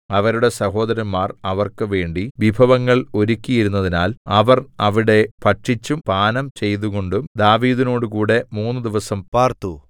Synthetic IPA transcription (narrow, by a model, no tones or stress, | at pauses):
ɐʋɐɾuɽe̞sɐho̞ːd̪ɐɾɐnmaːrɐʋɐrkɨʋe̞ːɳɖiʋibʱɐʋɐŋːɐɭo̞ɾukʲːijiɾunːɐðinaːlɐʋɐrɐʋiɽe̞pɐʈʂit͡ɕːumpaːnɐmt͡ɕe̞jt̪̬uɣo̞ɳɖumd̪aːʋiːd̪ino̞ːɽukuːɽe̞muːnːɨd̪iʋɐsɐmpaːrt̪u